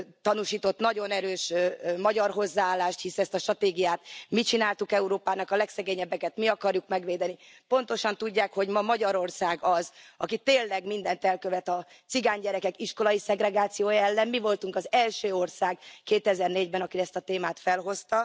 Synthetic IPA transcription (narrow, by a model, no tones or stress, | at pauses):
t̪ɒnuʃiːt̪o̞t̪nɒɟo̞nɛɾøːʃmɒɟɒrɦo̞zːaaːlːaːʃt̪hisɛɛst̪ɒʃt̪rɒt̪eːɡijaːt̪mit͡ʃinaːlt̪ukɛuɾoːpaːnɒkɒlɛksɛɡeːɲɛbːɛkɛt̪miɒkɒrjukmɛɡʋeːd̪ɛni | po̞n̪t̪o̞ʃɒnt̪uɟːaːkho̞ɟmɒmɒɟɒɾo̞rsaːɡɒzɒkit̪eːlːɛɡmind̪ɛnt̪ɛlkøvɛt̪ɒ | t̪siɡaːɲɟɛɾɛkɛkiʃko̞lɒjisɛɡrɛɡaːt̪sijoːjɒɛlːɛmmivo̞lt̪uŋkɒzɛlʃøːo̞rsaːɡkeːt̪ɛzɛrneːɟbɛnɒkiɾɛst̪ɒt̪eːmaːt̪fɛlɦo̞st̪ɒ